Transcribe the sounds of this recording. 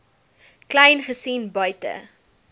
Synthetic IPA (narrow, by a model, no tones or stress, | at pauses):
klɐjnχəsinbœɥtə̰